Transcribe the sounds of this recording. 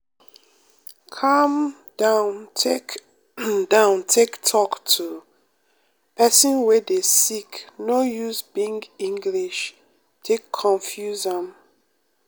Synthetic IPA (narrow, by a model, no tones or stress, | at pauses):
kʰam | d̥ãʊntʰek | dãʊ̃ntʰektʰɔktʰu | pɛsĩnwɛdesiknojuzbĩŋɡĩŋɡliʃ | tʰekʰːɔ̃nfjuzɔ̃n